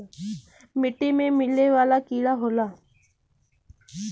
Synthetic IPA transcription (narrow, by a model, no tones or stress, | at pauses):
mɪʈimẽmɪleʋaːlaːkiːɽaːɦoːlaː